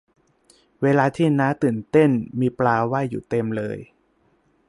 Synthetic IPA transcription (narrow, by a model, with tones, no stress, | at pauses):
weː˧laː˧t̪ʰiː˥˩naː˦˥t̪ɯː˨˩nt̪e˥˩nmiː˧plaː˧wa˥˩jːṵː˨˩t̪e˧mlɤː˧j